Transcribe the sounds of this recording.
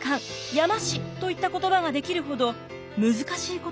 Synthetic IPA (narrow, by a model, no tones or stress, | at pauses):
kãŋjamaɕit̪o̞it̪ːako̞t̪o̞baɡad̪e̞kʲiɾɯ̟ɦo̞d̪o̞ | mɯ̟zɨkaɕiːko